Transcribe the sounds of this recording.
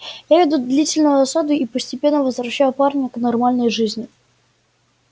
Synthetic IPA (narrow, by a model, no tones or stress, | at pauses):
javʲɪd̪ud̪lʲitʲɪlʲnʊjʊɐsad̪ʊipəsʲtʲɪpʲe̞nːəvəzvɾɐɕːæjʊparnʲəknɐrmalʲnəjʐɨzʲnʲɪ